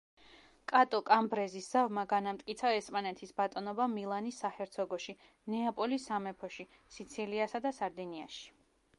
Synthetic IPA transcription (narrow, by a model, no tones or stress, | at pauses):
kʼat̪ʼɔkʼambɾɛzisz̥avmaɡanamt̪ʼkʼit̪sʰaɛspʼanɛt̪ʰisbat̪ʼɔnɔbamilˠanisahɛɾt̪sʰɔɡɔʃi | nɛapʼɔlisamɛpʰɔʃi | sit̪sʰiliasad̪asaɾd̪ɛnia̰ʃi̥